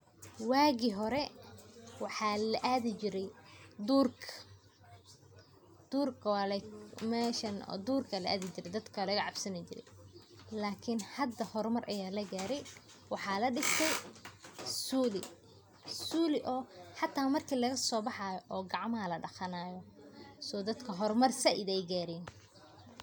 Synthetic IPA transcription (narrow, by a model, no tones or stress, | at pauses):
waːɣiɦɔɾɛ | wɑħɑːlɐʔaːðɪt͡ʃɪɾɛjd̪uːrkʰɐ̥ | d̪̥uːrkʰɐwaːlɛmɛːʃɐnɔ̰ːd̪uːrkʰɐlɐʔaːðɪt͡ʃɪɾɛjd̪ɐd̪kʰɐlɐɣɐʕɑbsɐnɪt͡ʃɪ̰ɾɛ̰j | laːkʰɪnhɐd̪ɐhɔrmɐrʔɐjaːlɐɡaːɾɛj | wɑħɑːlɐɖɪst̪ʰɛj | suːlɪ | suːlɪʔɔːħɑt̪ʰːaːmɐrkʰiːlɐɣɐsɔːbɑħɑːjɔʔɔːɡɑʕmɐɦɐlɐɖɐxɐnaːjɔsɔːd̪ɐd̪kʰɐɦɔrmɐrsɐʔɪd̪ɛjɡaːɾiːn